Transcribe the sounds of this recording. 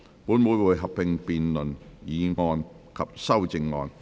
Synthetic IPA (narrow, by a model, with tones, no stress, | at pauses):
puː˨˥nmu˨˧˥jwuː˨˩jɦɐ˨pːɪ˨ŋpiː˨nlɵ˨˩njiː˨˧ŋɔː˧n | kʰɐ˨p̚sɐ˥wt͡sɪ˧ŋːɔ̰ː˧n